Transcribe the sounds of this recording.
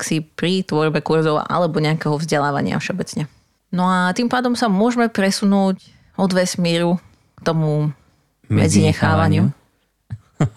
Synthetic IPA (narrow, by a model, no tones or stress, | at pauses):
ksipɾit̪ʋɔɾbɛkuɾzɔʊʔa̰lɛbɔɲɛakɛɦɔvzɟɛlaːʋa̰ɲɪa̰fʃɛɔbɛt͡sɲɛ | nɔat̪impaːd̪ɔmsamʊɔʒmɛpɾɛsunuːc | ɔd̪ʋɛsmiːɾu | k̚t̪ɔmu | mɛ̰d͡ziɲɛxaːʋaɲɪu